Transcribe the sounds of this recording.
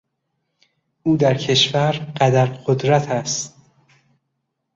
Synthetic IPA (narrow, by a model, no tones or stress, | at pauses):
ʔuːd̪æɾcʰe̞ʃvæɾɢæd̪æɾɢod̪ɾæt̪ʰæst̪